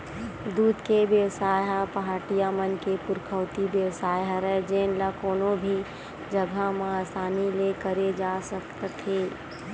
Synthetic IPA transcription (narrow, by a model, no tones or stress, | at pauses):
d̪uːd̪keʋjəʋsaːjapəɦaːʈijamənkepʊɾkʰəːt̪ibjəwsaːjɦɾɛd͡ʒeːnlakoːnobʱi | d͡ʒəɡʱamãaːsaːnilekəɾed͡ʒaːsəkt̪t̪ʰːeː